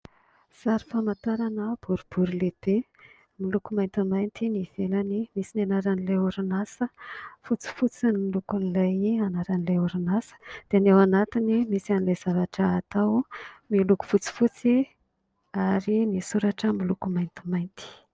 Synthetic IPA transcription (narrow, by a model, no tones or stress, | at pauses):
saɾi̥famat̪aɾanəb̥uɾub̥uɾuleb̥e | milukumajnt̪imajnt̪iniv̥elanimisinanaɾanileuɾinasəfut͡si̥fut͡sinilukunilajanaɾanileuɾinasə̥d̪̥enewanat̪inimisanilajz̥avaʈ͡ʂəːt̪awmiluku̥fut͡si̥fut͡si | aɾinisuɾaʈ͡ʂəmilukumajnt̪i̥majnt̪i̥